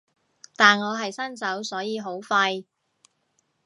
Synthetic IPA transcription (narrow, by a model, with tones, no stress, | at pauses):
t̪aː˨˩nŋɔː˨˧ɦɐ˨jsɐ˥nt͡sɐ˨˥wsɔː˨˥jiː˨˧ɦo˨˥wfɐ˧j